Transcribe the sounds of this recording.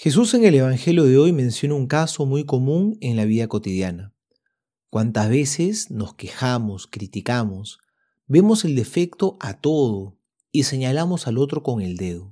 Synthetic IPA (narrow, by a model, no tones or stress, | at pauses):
xe̞s̬use̞ŋe̞le̞β̞aŋxe̞ljo̞ð̞e̞o̞jmẽ̞nsjo̞nauŋkaso̞mujko̞mũŋe̞ŋlaβ̞iðako̞t̪iðjana | kwant̪azβe̞sesno̞ske̞xamo̞skɾit̪ikamo̞s | be̞mo̞se̞ld̪e̞fe̞kt̪o̞ʔat̪o̞ð̞o | ise̞ɲalamo̞salo̞t̪ɾo̞ko̞ŋe̞ld̪eðo